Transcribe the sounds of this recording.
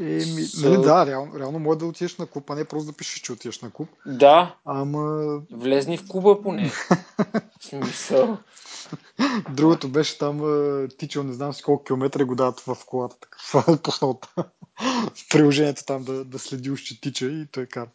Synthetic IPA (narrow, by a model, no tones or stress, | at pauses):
ɛminɐlɛd̪aɾɛalˠno̰ɾɛalˠnomɔɛd̪ɐot̪iɛʃnɐkupɐnɛpɾɔst̪od̪ɐpiʃɛ̥ʃt͡ʃɛʊot̪iɛʃnɐkup̚d̪aɐmɐvlɛznifkubəponɛ | smisəlˠ | d̪ɾuɡot̪obɛʃɛ̥t̪aməːt̪it͡ʃənɛznamsi̥kɔlˠkuk̟ʲilˠomɛt̪ɾɛɡod̪aðət̪vɐfkolˠat̪ə̥t̪ə̥kt̪aposnɔt̪ə̥ | fpɾilˠoʒɛnʲiɛt̪o̥t̪amd̪ɐd̪ɐslɛd̪iuʃt͡ʃ̪it̪it͡ʃəit̪ɔjka